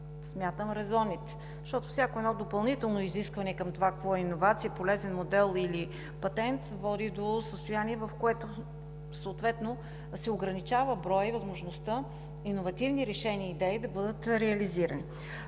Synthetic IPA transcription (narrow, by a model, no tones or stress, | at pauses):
smʲjat̪əmɾɛzɔnit̪ɛ̥ | ʃt̪ɔt̪ofsʲjakoɛnɔd̪opɐlˠnit̪ɛlˠnoiziskvɐnɛkɐmt̪ovakɐkvɔɛinovat̪siəpolɛzɛnmod̪ɛlˠili | pɐt̪ɛnt̪vɔd̪id̪osəst̪ojaniɛvɐfkoɛt̪o | səːt̪vɛt̪no | sɛoɡɾɐnit͡ʃavəbɾɔjvɐzmoʒnost̪ə | inovɐt̪ivniɾɛʃɛnʲiːd̪ɛid̪ɐbɤd̪ət̪ɾɛɐliziɾə̰ni